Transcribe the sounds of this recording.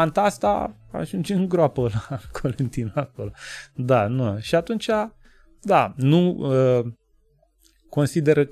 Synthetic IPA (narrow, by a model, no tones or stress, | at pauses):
ant̪ast̪a̰a̰ʒund͡ʒɨŋɡɾoapəlakʰolent̪inako̞lod̪anuʃiat̪unt͡ʃa | d̪anuə | ko̞nsid̪e̞ɾə